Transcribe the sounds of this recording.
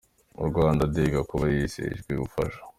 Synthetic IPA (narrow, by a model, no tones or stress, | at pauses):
ṵɾɡwaːndadeɡakuβajisḛʒɡweβufaʃḁ